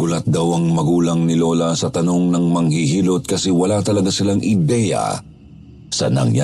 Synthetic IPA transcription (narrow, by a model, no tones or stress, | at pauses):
ɡʊlat̪̚d̪ɐwɐŋmɐɡuːlɐŋnɪlo̞lɐsɐt̪ɐno̞ŋnɐŋmɐŋhiɦilot̪̚kɐsɛwɐlat̪ɐlɐɡasɪlaŋʔɪd̪ɛjɐ̰ | sɐ̰nɐ̰ŋja